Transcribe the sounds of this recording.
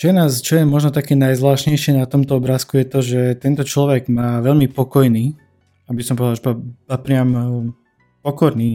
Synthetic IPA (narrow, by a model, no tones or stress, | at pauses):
t͡ʃjɛnaːst͡ʃɔjɛmɔʒnɔt̪akɛːnajzʋlaːʃɲɛjʃɪɛnat̪ɔmt̪ɔɔbɾaːskujɛt̪ɔʒɛt̪ɛnt̪ɔt͡ʃlɔʋɛɡmaːʋɛʎmipɔkɔjniː | abisɔmpɔʋɛd̪aʒɛpapapɾɪam | pɔkɔɾniː